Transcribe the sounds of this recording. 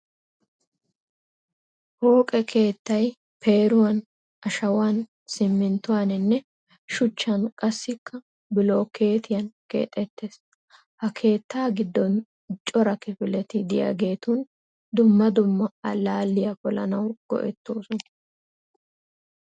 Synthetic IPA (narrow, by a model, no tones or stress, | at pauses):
ho̞ːkʼɛkʰe̞ːt̪ːɐj | pʰe̞ːɾʊwɐn | ɐʃɐwan | sɪmːɪnt̪ʊwaːnɪnːɛ | ʃʊt͡ʃːɐnkʼɐsːɪkʰːɐ | bɪlo̞ːkʰe̞ːt̪ɪjɐnkḛːt̪ʼːɛt̪ːeːs | hɐkʰe̞ːt̪ːaːɡɪd̪ːɔn | t͡ʃʼɔɾɐkɪfɪlɛt̪ɪd̪ɪja̰ɡe̞ːt̪ʊn | d̪ʊmːɐd̪ʊmːɐɐlaːlːɪjɐkɔlɐ̰nɐwɡ̥ɔ̰ʔɛt̪ːoːsʊnɐ